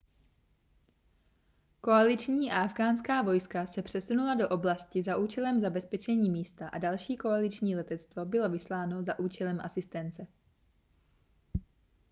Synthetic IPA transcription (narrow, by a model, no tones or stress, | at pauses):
ko̞alɪt͡ʃɲiːʔaʔavɡaːnskaːvo̞jskasɛpr̥ɛsunulado̞ʔo̞blascɪzaʔuːt͡ʃɛlɛmzabɛspɛt͡ʃɛɲiːmiːst̪aʔa̰dalʃiːko̞alɪt͡ʃɲiːlɛt̪ɛt̪t͡st̪vo̞bɪlo̞vɪslaːno̞zaʔuːt͡ʃɛlɛmʔasɪst̪ɛnt͡sɛ